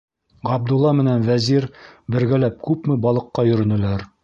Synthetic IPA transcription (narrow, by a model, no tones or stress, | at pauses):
ʁɑb̚d̪ulːˠɑmɘ̆nænvæziɾbɘ̆ɾɡælæp̚kʉpmɘbɒlˠɤ̆qːɑjɵ̆ɾɘ̆nɘ̆læɾ